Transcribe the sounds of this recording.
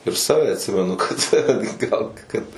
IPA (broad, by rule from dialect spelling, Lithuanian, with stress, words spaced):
ɪr ˈsɑːʋʲɛ ɐtʲˈsʲɪmʲɛnʊ kɐt ɡɐlˠ kɐt